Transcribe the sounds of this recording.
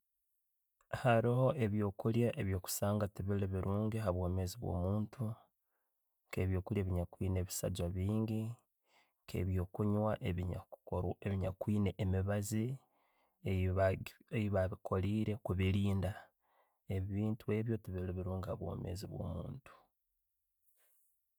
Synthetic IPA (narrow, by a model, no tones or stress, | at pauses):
haɾooe̞βjo̞ːkuljaʔeβjo̞ːku̥saːŋɡatiβileβiɾʔuːŋɡeɦaβwo̞ːme̞ːziβwo̰ːmuːntʰu | ŋke̞βjo̞ːkuljaːβiɲakwiːne̞ːβisa̰d͡ʒwaβiːɲɡi | ŋkʰḛβjo̞ːkuɲwaʔeβiɲaeβiɲakwiːne̞ʔːmiβazi | ejiβaβikʰo̞liːɾe̞kuβiliːnda | eβiːntue̞ːβjo̞tiβileβiɾuːŋɡehaβwo̞ːme̞̰ːziβwo̞̰ːmṵːntu̥